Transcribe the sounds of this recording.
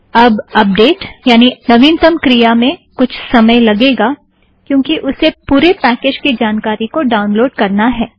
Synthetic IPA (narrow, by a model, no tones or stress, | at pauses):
ɐbɐp̚ɖeːʈjaːninɐʋiːnt̪əmkɾijamẽkʊt͡ʃʰsɐməjlɐɡeːɡa | kjõːkiʔʊsepuːɾepɛːkeːd͡ʒkid͡ʒaːnkaːɾikoɖaːʊ̃nloːɖkɐɾnaɦɛː